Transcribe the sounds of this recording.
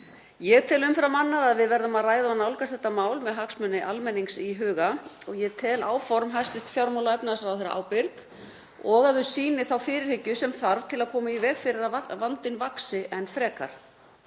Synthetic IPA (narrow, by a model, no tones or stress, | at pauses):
jɛɣt̪ʰɛlʏmfɾamanːaðaðvɪðvɛɾðʏmaðraːjðanawlkast̪θɛht̪ːamaːwlmɛðɦaksmœnːɪʔalmɛnːiŋksiɦʏːɣaɔɣjɛt̪ʰɛːlaːwfɔɾmɦajst̪ɪst̪fjawɾmawlaɛpnasɾawθɛjɾa̰ʔa̰ːwpɪɾp | ɔɣaððʏ̥siːnɪθawfɪːɾɪɾ̥hɪcːʏsɛmθaɾv̥t̪ʰɪlaðkʰɔːmaivɛːɣfɪɾɪɾaavant̪ɪnvaksɪʔɛnfɾɛːka̰ɾ̥